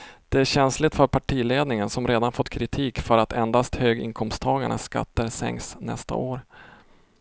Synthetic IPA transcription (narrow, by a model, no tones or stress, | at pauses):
d̪̥ɛæɕɛnslɪt̪fœɾpʰaʈʰiːleːd̪nɪŋənsɔmɾeːd̪anfɔt̪ːkʰɾɪt̪ʰiːkfœɾat̪ɛnd̪ast̪høːɡɪ̰ŋkʰɔmst̪ʰɑːɡaɳə̰ska̰t̪ːəɾsɛ̰ŋksnɛ̰st̪a̰ʔoːɾ